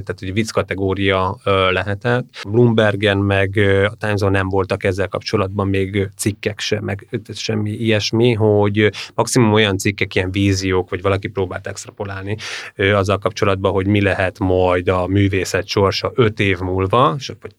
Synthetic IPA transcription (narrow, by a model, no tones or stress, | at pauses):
t̪aːt̪hoɟvit̪skɒt̪ɛɡoːɾijɒlɛɦɛt̪ɛt̪ːblumbɛrɡɛnmɛɡɒt̪anzonɛmvo̞lt̪ɒkɛzːɛlkɒ̰pt͡ʃo̞lɒd̪̚bɒmːeːɡt̪sikːɛkʃɛmːɛɡ̪ʃɛmːiijɛʃmiɦoɟmɒksimumo̞jɒnt̪sikːɛkijɛɱviːzijoːkʋɒɟvɒlɒkipɾoːbaːlt̪ɛkst̪rɒpolaːlniøɒzːɒlkɒpt͡ʃo̞lɒd̪̚bɒɦo̞ɟmilɛɦɛt̪mɒjd̪ɒmyːveːsɛt̪ʃo̞rʃɒʔøt̪eːvmuːlvɒʃo